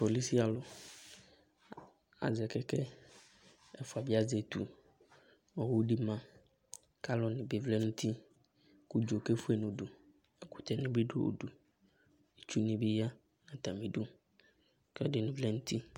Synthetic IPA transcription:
po˨li˦si˦a˨lʊ˨ | a̰˨zɛ˨kɛ˦kɛ˦ | ɛ˦fu˨a˨bi˦a˦zɛ˨t̪ṵ˨ | ɔ˨wu˦ɖi˦mã˦ | ka˦lɔ˨nɪ̃˨be˨vlɛ˦nũ˦t̪ʰi˦ | ku˦d͡ʒo˨ke˦fu˦e˨nũ˨ɖu˨ | ɛ˦kʊ˦t̪ɛ˨nɪ̃˦be˦ɖo̰˦o̰˨ɖu˨ | e˨t͡ʃu˦nĩ˨bɪ˦ja˦ | nã˨t̪a˨mĩ˨ɖu˦ | kɛ˦dɪ˨nʊ̃˨vlɛ˦ŋũ˦t̪i˦

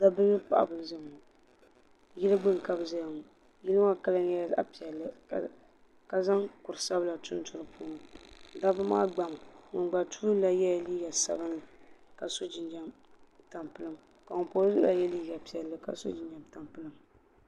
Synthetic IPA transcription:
da˦bɨ˦lɨ˦pa˦˨ʔa̰˨bɨ˨˦zɨ˦m˨u˨ | ji˦lɨ˦ɡ͡bɨ˦ŋ˨ka˦bza˦ja˨ŋʊ˨ | ji˦lɨ˦a˦ka˦lɨ˦njɛ˦˨a̰˨pi˨ɛ˨lːɨ˦˨ | ka˨za˦ŋkʊ˨ɾɨ˨sa˦bla˨tʊ˦n˦tʊ˦ɾɨ˦pʰuː˦n˨da˦bɨ˦ma̰ː˦ɡ͡ba˨mŋʊ˨nɡ͡ba˨tu˦ɨ˦la˦jɛ˦˨liː˦ɡa˨sa̰˨ba˦nɨ˨ka˨so˦d͡ʒɪ˨nd͡ʒa˦mta˨mpɨ˦lɨ˦m | ka˨ŋʊ˨po˦zɨ˦la˨jɛ˦liː˦ɡa˨pi˨ɛ˨lːɨ˨ka̰˨so̰˦d͡ʒɪ˨nd͡ʒa˨mta˨mpɨ˦lɨ˦m

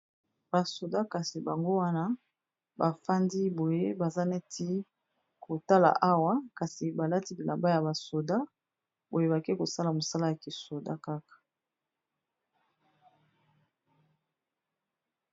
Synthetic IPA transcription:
ba˨so˨da˦ka˨si˨ba˨ŋɡo˦wa˦na˦ | ba˨fa˦ndi˦bo˨je˦ba˨za˦ne˦tʰi˦ | kʰo˨ta˦la̰˨ʔa˦wa˦ka˨si˨ba˨la˦ti˦li˨la˨mba˦ja˨ba˨so˨da˦ | bo˨je˦ba˨ke˦ko˨sa˦la˨mo˨sa˦la˦ja˨ki˨so˨da˦ka˦kḁ˨

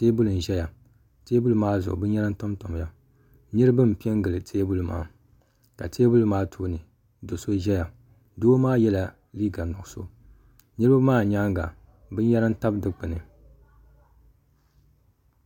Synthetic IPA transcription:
teː˦bu˦lɨ˨n̩˨ʒɛ˦ja˨ | teː˦bu˦lɨ˦maː˦zʊ̰˨ʔbɨ˦ɲɛ˦ɾɨ˦n˦to˦mto˨m˨ja˦ | nɨ˦ɾɨ˦bɨ˦m˨pi˦ɛ˦ŋɡɨ˨lɨ˨tʰeː˦bu˦lma̰ː˨˦ | ka˨tʰeː˦bu˦lɨ˦maː˦tʰoː˦nɨ˨ | do˨so˦ʒɛ˦ja˨ | doː˦maː˦jɛ˦la˨ | liː˦ɡa˨nʊ˨ɡʊ˨so˦ | nɨ˦ɾɨ˦ba˦maː˦˨ɲaː˦ŋɡa̰˨ | bɨ˦jɛ˦ɾɨ˦n˦ta˦bdɨ˦k͡pɨ˨nɨ˨

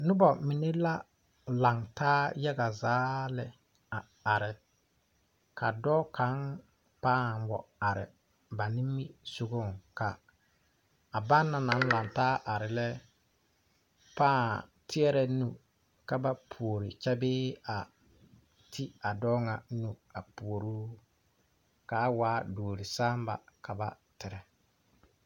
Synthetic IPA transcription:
nʊ˦bɔ˨mɪ˨ne˦la˦ | la˨ŋtaː˦ja˦ɡa˨zaː˦lɛ˨ | a˨ | a˨ɾɪ˨ | kʰa˨dɔː˦kʰa˨˦n | paː˦˨wɔ̰˨a˨ɾɪ̰˨ | ba˨nɪ˦mːi˦so˨ɡo˦˨ŋka˨ | ba˦nːa˨na˨˦n˦la˨ŋtaː˦ʔa˨ɾɪ˨lɛ˦ | paː˦˨tʰɪ˦ɛ˦ɾɛ˨nu˨ | ka˨ba˦pʰu˨o˨ɾɪ˨t͡ʃɛ˦bɪː˦a˨ | tʰi˦a˨dɔː˦ŋa˨˦nu˨a˨pu˨o˨ɾuː˦ | ka˨˦waː˨˦doː˨ɾi˨saː˦m˦ba̰˨ka˨ba˨ | tɪ˨ɾɛ˨

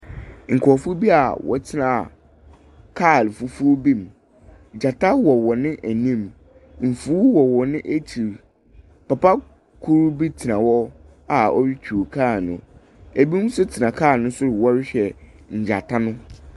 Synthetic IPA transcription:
ŋ̩˨kʰɔ˨fu˦bi˦a˨wɔ̰˨tʰɪ˦nã̰˨ | kʰaː˦˨lfu˨fu˦bĩ˦˨m˨ | d͡ʑa˨tʰa˦wɔ˨wɔ˨nɪ̃˦ʔæ˨nĩ˦m | m̩˨fu˦wɔ˨wɔ˨nɪ̃˦ʔe˦t͡ɕʰi˨ɾ | pa˨pa˦ | kʰu˦ɾbi˦tʰɪ˨nã˨wɔ˦ | a˨ɔ˦ɥi˦t͡ɕʰᶣu˨kʰaː˦˨nʊ̰̃˨ | æ˨bi˦n˦sʊ˦tʰɪ˨nã˨kʰaː˦˨nʊ̃˦sʊ˦ɾwɔ˦ɾɪ˦ɕᶣɛ˨ɲ̩˨d͡ʑa˨tʰa˦nʊ̃˦

